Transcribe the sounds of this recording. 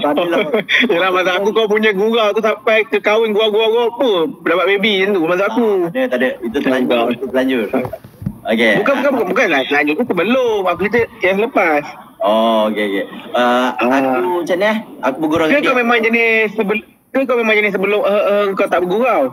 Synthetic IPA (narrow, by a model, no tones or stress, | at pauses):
a | jəlahmas̬aʔakukawp̬uɲaɡuɣawt̪usampajkəkawɪnɡuawɡuawɡuawpəpədabaʔbebiənt̪umasuakunət̪adəit̪ut̪əlaait̪ut̪əlaɲd͡ʒʊt̪̚ | okebukanbukanbukanbukanlasəlaɲd͡ʒʊt̪̚ːusəbəlʊmakuit̪əaas̬ələpas | ɔokeokeəakuat͡ʃanahakubəɡuɾakəkawmemãŋd͡ʒənɪsːəbə | kək̬awmemãŋd͡ʒənɪs̬əbəlʊmʔəəkawt̪aʔbəɡuɾaw